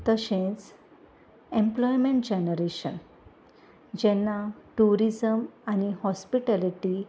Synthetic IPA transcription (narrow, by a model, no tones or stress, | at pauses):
t̪əɕẽt͡s | ẽmplɔjmẽɳʈ̚d͡ʑenəɾeɕə̰n | d͡ʑɛnːaʈuɾid͡zəmañihɔspiʈaliʈi